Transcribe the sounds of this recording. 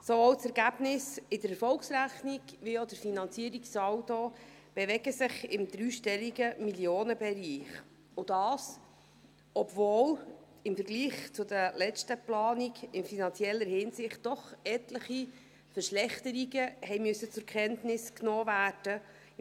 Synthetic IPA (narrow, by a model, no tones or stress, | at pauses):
sovoːwt͡sɛɾɡæb̥nɪsɪdəɾɛɾfɔlksɾæχniɡʋiod̥əɾfinɑnt͡siːɾiksɑwto | b̥ɛʋɛɡəsɪχɪmd̥̪ɾyːʃtɛliɡəmiljoːnəbɛɾiːχ | ʊd̥ɑːs | ɔbvoːl | ɪmfəɾɡliːχt͡sʊd̪əlɛt͡ʃtəplɑːniɡɪnfinɑnt͡sjɛlːəɾhɪnsɪχt̚d̥ɔχɛtləχi | fəɾʃlɛχt̪əɾiɡəhɛjmyøsət͡sʊɾkʰɛntnɪsknoːvæːrd̥ə